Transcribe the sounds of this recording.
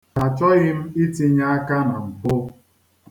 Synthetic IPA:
a˨t͡ʃɔ˦ɣɪ˦m̩˦i˦ti˦ɲa˦a˦ka˦na˨m̩˨pʊ˦

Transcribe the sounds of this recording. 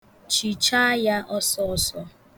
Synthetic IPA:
t͡ʃi˨t͡ʃa˦ja˦ʔɔ˦sɔ˦ɔ˦˨sɔ˦

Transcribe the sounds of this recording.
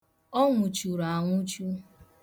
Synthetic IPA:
ɔ˦ŋʷʊ˨t͡ʃu˨ɾa˨a˨ŋʷʊ˦t͡ʃu˦

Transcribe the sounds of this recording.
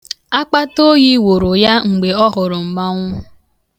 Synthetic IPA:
a˦k͡pa˦to˦ji˦wo˨ɾo˨ja˦ŋ͡m̩˨ɡ͡be˨ɔ˦ɦʊ˨ɾʊ˨m̩˨ma˦ŋʷʊ˦

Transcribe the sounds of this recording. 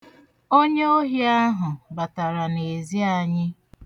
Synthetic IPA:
o˦ɲe˦o˦ɦi˦a˦ɦʊ˨ba˨ta˨ɾa˨ne˨zi˦a˨ɲɪ˦

